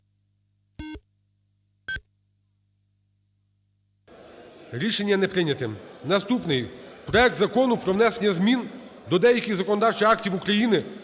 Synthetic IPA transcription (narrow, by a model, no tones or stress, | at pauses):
ɾʲiʃe̞nʲːɐnɛpɾɪnʲɐt̪ɪmnɐst̪upnɪjpɾɔɛk̚t̪zɐkɔnʊpɾɔʋwnɛse̞nʲːɐzmʲind̪ɔd̪ɛjɐkʲɪzɐkɔnɔd̪ɑrt͡ʃɪxɑktʲiwukɾɐjinɪ